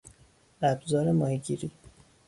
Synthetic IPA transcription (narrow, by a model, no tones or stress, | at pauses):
æbzɒːɾemɒːhiɟiɾi